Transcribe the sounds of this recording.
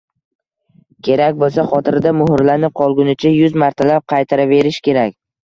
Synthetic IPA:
kʲʰe̞ɾakʲbolˠsaχɒt̪ʰɪɾɪd̪amʊhʊɾlaɾnɪp̚qʰɒlˠɡʲʊnɪt͡ʃʰajʊzmaɾt̪ʰalap̚qʰɑjt̪ʰaɾave̞ɾɪʃkʲe̞ɾakʲ

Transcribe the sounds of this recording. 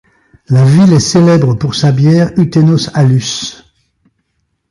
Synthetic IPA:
lavilɛselɛbʁəpuʁsabjɛːʁyt̪enosalys

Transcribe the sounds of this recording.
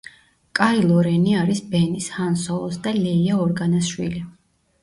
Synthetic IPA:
kʼailˠɔɾɛniaɾisbɛnishansɔlˠɔsd̪alɛiaɔɾɡanasʃwḭli

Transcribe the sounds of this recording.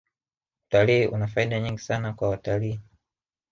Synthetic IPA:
u̥taliiʔṵnafaiɗaɲiŋɡisanakwawataliː

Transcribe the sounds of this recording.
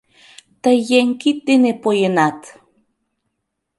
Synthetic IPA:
t̪əjeŋkit̪ːenepojenat̪

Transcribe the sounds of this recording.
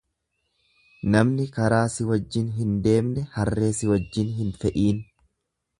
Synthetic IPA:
nɐmnɪkɐɾaːsɪwɐd͡ʒːɪnɦɪnd̪e̞ːmnɛhɐrːe̞ːsɪwɐd͡ʒːɪnɦɪnfɛʔiːn

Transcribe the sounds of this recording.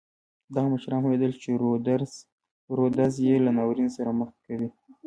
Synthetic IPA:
d̪ɑɣaməʃɾɑnhwed̪əlt͡ʃed̪ | ɾod̪azjelanɑwɾinsaɾaməx̚kawi

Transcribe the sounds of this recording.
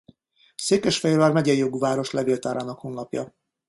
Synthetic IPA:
seːkɛʃfɛjlarmɛɟɛjːoɡuvaːɾo̞ʃlɛvilt̪aːɾaːnɒkho̞nlɒpjɒ̰

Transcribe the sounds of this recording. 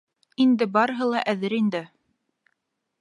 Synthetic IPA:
ind̪ɘbɑɾɤ̆ɦɤlˠɑʔæðɘɾind̪ɘ

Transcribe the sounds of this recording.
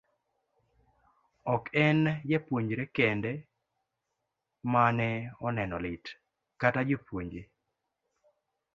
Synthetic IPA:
ɔkɛnjɛpwoɲd͡ʒɾekɛndɛ | manɛɔnɛnɔlɪt | katad͡ʒepwoɲd͡ʒe

